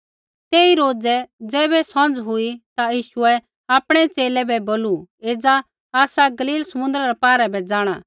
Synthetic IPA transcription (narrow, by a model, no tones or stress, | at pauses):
t̪eːiɾoːd͡zɛd͡zɛːbɛsɔ̃nd͡zɦʊit̪ajiːʃuɛ | aːpɽ̃ɛt͡seːlɛbɛboːlueːd͡za | aːsaɡɐliːlsɐmʊ̃nd̪ɾaɾɛpaːɾɛbɛd͡zaːɽ̃ãː